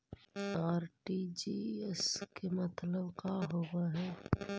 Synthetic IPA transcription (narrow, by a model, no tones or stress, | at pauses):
aːɾʈid͡ʒiːeskemɐt̪ləbkaɦoːɡaɦɛː